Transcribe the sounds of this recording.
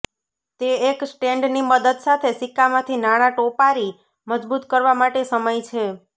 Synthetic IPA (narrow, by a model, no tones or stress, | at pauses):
t̪eeksʈeɳɖniməd̪əd̪sat̪ʰesikːamãt̪ʰinaɽ̃ãʈopaɾi | məd͡ʒbut̪kəɾʋamaʈesəməjt͡ʃʰe